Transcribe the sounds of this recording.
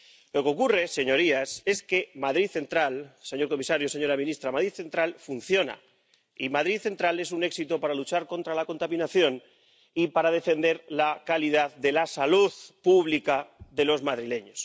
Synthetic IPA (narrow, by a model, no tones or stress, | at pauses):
lo̞keo̞kure̞se̞ɲoɾiase̞ske̞maðɾiθe̞nt̪ɾalse̞ɲo̞ɾko̞misaɾjose̞ɲo̞ɾamĩnist̪ɾamaðɾiðθe̞nt̪ɾalfun̟θjo̞na̰ | imaðɾiθe̞nt̪ɾale̞s̬une̞ksit̪o̞paɾalut͡ʃaɾko̞nt̪ɾalako̞nt̪amĩnaθjo̞n | ipaɾaðe̞fe̞nd̪e̞ɾlakaliðaððe̞lasaluðpuβlikaðe̞lo̞zmaðɾile̞ɲos